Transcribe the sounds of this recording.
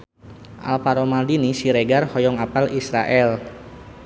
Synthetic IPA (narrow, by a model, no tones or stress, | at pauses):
ʔa̰lpaɾɔmaldinisiɾeɡarhɔjɔŋapalisɾa̰ʔɛl